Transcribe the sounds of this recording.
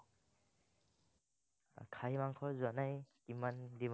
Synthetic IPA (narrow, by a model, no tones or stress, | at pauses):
kʰajmaŋkʰɔzanajkimandim